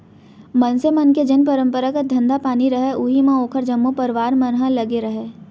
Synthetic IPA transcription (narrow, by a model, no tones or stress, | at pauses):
mɐnsemɐnked͡ʒɐnpəɾə̃mpəɾakad̪ʱɐ̃nd̪apaːniɾɐɦeʔʊɦimãoːkʰəɾd͡ʒɐmːupɐɾɪʋaːɾmɐnɦãlɐɡeɾɐɦeː